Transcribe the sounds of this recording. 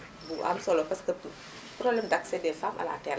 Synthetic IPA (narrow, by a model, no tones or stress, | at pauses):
buʔa̰msɔlɔpɐskə | pɾɔblɛmdaksɛdɛfamʔɐ̰la̰ːtɛl